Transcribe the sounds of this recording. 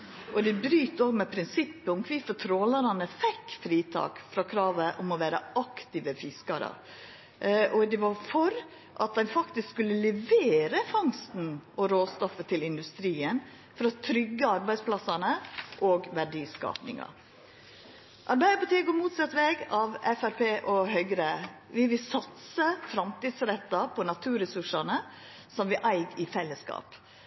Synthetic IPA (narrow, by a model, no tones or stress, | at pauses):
ʔɔd̪ɛbɾyːt̪oːɡmɛpʰɾɪnsɪpːəʊmkʰʋɪfɔt̪ʰɾoːlɑɾɑnəfɛkːfɾiːt̪ʰɑ̰ːkfɾɑkʰɾɑːʋəʔʊmɔʋæːɾə̰ɑkt̪ɪʋəfɪskɑɾə̰ | ʔɔd̪ɛʋɑɾfɔɾ | ʔɑt̪̚d̪ɛɪnfɑkt̪ɪskskʉlːəlɛʋeːɾəfɑŋst̪n̩ʔɔɾoːst̪ɔfət̪ʰɪlɪnd̪ʉst̪ɾiːən | fɔɾɔt̪ʰɾʏɡːəɑɾbæɪspʰlɑsɑnəʔoːɡʋæɖiːskɑ̰ːpnɪ̰ŋɑ̰ | ʔɑɾbæɪd̪əpɑt̪ʰiːəɡomuːt̪sɑt̪ːʋeːɡɑʋɛfæɾpʰeːʔɔɦœʏɡɾəʋɪʋɪlsɑt̪səfɾɑmt̪iːd̪sɾɛt̪ːɑpʰɔnɑt̪ʰʉːɾɛsʉʂɑnə | sɔmʋɪʔæɪɡɪfɛlːəskɑ̰ːp